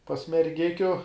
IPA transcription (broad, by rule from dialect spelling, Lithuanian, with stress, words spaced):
pɐs mʲɛrʲˈɡʲɪkʲʊ